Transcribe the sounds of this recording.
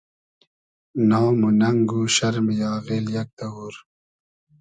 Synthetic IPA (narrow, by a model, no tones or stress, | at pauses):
nɑːmunɐŋɡuɕɐɾmijɑːɣeːljɐk̚d̪ɐwuːɾ